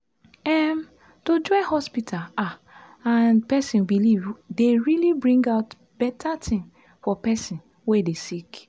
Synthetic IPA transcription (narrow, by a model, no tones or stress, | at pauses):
ɛm | tod͡ʒɔɪhɔspitʰala | anpɛsĩnbilivdeɹilibɹĩŋɡaʊt | b̥ɛtʰatʰĩn | fɔpɛsĩn | wedesik